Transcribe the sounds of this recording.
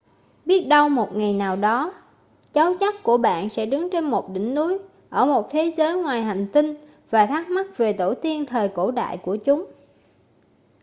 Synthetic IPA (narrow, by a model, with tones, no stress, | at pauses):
ɓi˦˥ət̚ɗə˧wmo˨˩t̚ŋa˨˩jnaː˨˩wɗɔ˨˦ | t͡ɕa˨˦wt͡ɕa˦˥k̚ku˧˩əɓa̰ː˧˨nsɛ̰˧˥ɗɨ˨˦ŋt͡ɕe˧nmo˨˩t̚ɗï˧˩ŋ̟nu˨˦j | ʔəː˧˩mo˨˩t̚t̪ʰe˨˦zəː˨˦jŋwaː˨˩jɦa˨˩jŋ̟t̪ï˧ŋ | vaː˨˩t̪ʰaː˦˥k̚ma˦˥t̚ve˨˩t̪o˧˩t̪i˧ənt̪ʰəː˨˩jko̰˧˩ɗa̰ː˧˨jku˧˩ət͡ɕʊ˨˦ŋ͡m